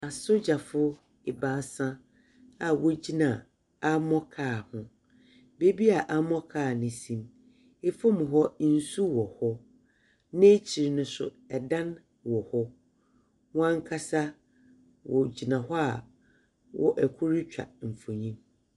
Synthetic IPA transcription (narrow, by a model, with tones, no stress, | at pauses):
a˨sʊ˦d͡ʑa˨fʊ˦ | ɪ˨ba˨˦sã˦ | a˨wɔ˦d͡ʑi˦nã˨ | a˦mɔ̃˦kʰaː˦˨hʊ̃˦ | be˦bi˦a˨ʔa˦mɔ̃˦kʰaː˦˨nɪ̃˨sĩ˨m | e˦fɔ˦m̃˨ɦɔ˦n̩˦su˦wɔ˨hɔ˦ | nẽ˦t͡ɕʰi˨ɾnʊ̃˦sʊ̰˨ | ɛ˨dã˦n | wɔ˨hɔ˦ | wã˦ŋ˦kʰa˦sa˦ | wɔ˨d͡ʑi˨nã˨ɦɔ˦a˨ | wɔ̰˦ʔɛ˨kʰʊ˦ɾi˦t͡ɕᶣa̰˨m̩˨fo˨ɲĩ˦m